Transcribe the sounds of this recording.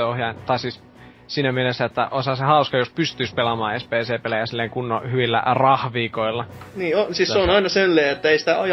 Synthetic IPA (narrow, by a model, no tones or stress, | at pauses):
ohjɑint̪ɑˑisiːs | siːnæmielesːæet̪ːæʔoishɑsehɑuskɑjospyst̪yːspelɑmɑːespeːseːpelæjæsilːeiŋkunːohyʋilːæ̰rɑhʋiːkoilːɑniːonsiːsseonɑinɑselːeːet̪ːæeisi̥t̪æɑj